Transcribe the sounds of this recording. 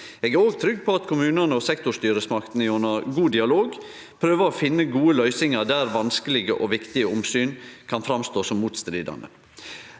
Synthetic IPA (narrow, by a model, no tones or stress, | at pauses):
eːɡæɾoːɡ̚t̪ʰɾʏɡpʰɔɑt̪kʰʊmʉːnɑnəɔsɛkt̪ʊʂt̪yːɾəsmɑkt̪n̩ɪjɔnɑɡuːd̪ɪɑloːɡ | pʰɾøːʋəɾɔfɪnːəɡuːəlœʏsɪŋɑd̪æːɾʋɑnskəlɪɡəʔɔʋɪkt̪ɪəʊmsyːnkʰɑnfɾɑmst̪oːsɔmːuːt̪st̪ɾiːd̪ɑ̰nə̰